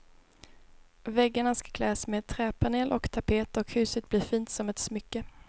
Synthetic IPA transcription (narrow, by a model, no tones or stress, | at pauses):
vɛɡːaɳaskḁkʰlɛːsmeːd̪̚t̪ʰɾɛːpʰaneːlʔɔkt̪ʰapʰeːt̪ɔkhʉ̟ːsət̪̚bliːɾfiːnt̪sɔmɛt̪smʏkːə